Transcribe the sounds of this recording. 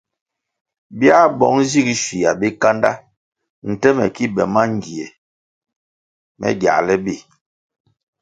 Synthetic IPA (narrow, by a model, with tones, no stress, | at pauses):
bja˦bɔ˨˦ŋzi˦˨ɡi˨ʃi˨ja˨bi˦ka˦nda˦ | n̩˨tɛ˦mɛ̰˨ki˦bɛ˨ma˦ŋ˨ɡi˨e˨ | mʔɛ̰˦ɡja̰˨lɛ˦bi˦˨